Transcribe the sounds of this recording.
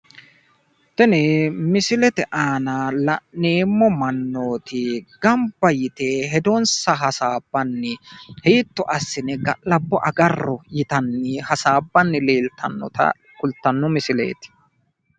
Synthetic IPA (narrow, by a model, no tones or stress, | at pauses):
t̪ɛnɛmɪsɪlɛt̪ɛʔaːnɐlɐʔnːeːmːɔmɐnːoːt̪ʰɪɡɐmbːɐjɪt̪eːɦɛd̪onsɐɦɐsaːbːɐnːɪheːt̪ːɔʔɐsːɪnɛɡɐlɐbːɔʔɐɡɐrːɔjɪt̪ɐnːɪhɐsaːbːɐnːɪleːlt̪ɐnːɔ̰t̪ɐ̰ | kʊlt̪ːɐnːɔmɪsɪlḛːt̪ɪ̥